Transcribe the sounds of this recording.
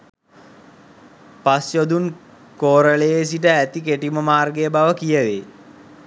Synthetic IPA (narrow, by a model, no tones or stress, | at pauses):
pasjod̪un | koːɾəlejes̬iʈəæt̪ikeʈiməmaːrɡejəbaʋəkijəʋe